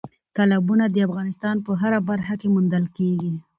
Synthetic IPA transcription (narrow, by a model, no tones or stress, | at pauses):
t̪alabunad̪əafɣɑnɪst̪ɑnpəɦaɾabaɾxakemund̪əlkeɡi